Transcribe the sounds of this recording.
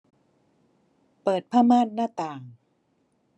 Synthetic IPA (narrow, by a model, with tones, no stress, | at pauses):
pɤː˨˩t̪̚pʰaː˥˩maː˥˩nːaː˥˩t̪aː˨˩ŋ